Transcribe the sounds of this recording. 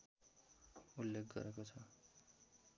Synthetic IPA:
ulːek̚ʰɡʌ̰ɾekot͡sʰʌ

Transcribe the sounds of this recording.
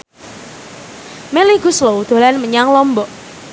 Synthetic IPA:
meliɡuslowd̪̥o̤lanməɲaŋlɔmbɔʔ

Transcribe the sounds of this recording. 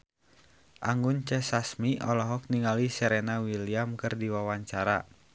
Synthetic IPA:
ʔaŋɡunt͡ʃɛsasmiɔlɔɦɔk̚niŋalisɛɾɛnawiliamkɨrdiwawaɲt͡ʃaɾa̰

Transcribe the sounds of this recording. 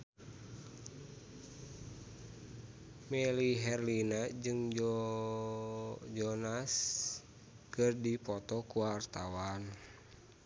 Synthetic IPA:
mɛliɦɛrlinad͡ʒɨŋ | d͡ʒɔnas | kɨrdipɔt̪ɔkuwart̪awan

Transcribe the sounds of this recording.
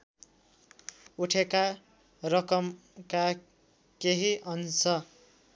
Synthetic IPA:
uʈʰeka | rʌkʌm | ka | keɦiʔʌnt͡sʰʌ

